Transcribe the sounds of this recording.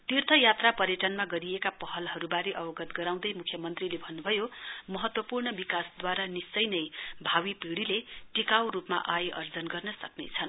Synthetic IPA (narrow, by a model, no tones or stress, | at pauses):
t̪irt̪ʰʌjat̪rapʌɾjʌʈʌnmaɡʌɾijekapʌɦʌlɦʌɾubaɾeʔʌbʌɡʌt̪ɡʌɾaw̃d̪ʌjmukʰjʌmʌnt̪rilebʱʌnːubʱʌjomʌɦʌt̪wʌpurɳʌbikasd̪waɾanist͡sːʌjnʌjbʱawipiɽileʈikaw̃ɾupma̰ʔajeʔʌrd͡zʌnɡʌrnʌsʌknḛt͡sʰʌn